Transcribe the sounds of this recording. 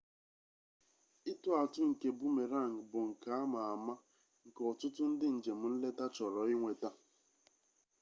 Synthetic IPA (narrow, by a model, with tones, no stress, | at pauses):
i˦tʊ˦a˨tʊ˦ŋ̩˨ke˨bu˦me˨ɾa˦˨ŋ̩˨bʊ˨ŋ̩˨ka˨˦a˦ma˨a˨ma˦ | ŋ̩˨kɔ˨tʊ˦tʊ˦n̩˦dɪ˦n̩˨d͡ʒe˨m̩˦n̩˦le˦ta˦t͡ʃɔ˨ɾɔ˨ɪ˦ŋʷe˨ta˦